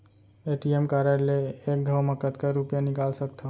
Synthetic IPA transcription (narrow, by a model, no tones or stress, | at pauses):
eʈiemkaɾaleːk̚ɡʱəwmãkət̪kaɾːupjanikalsəkt̪ʰa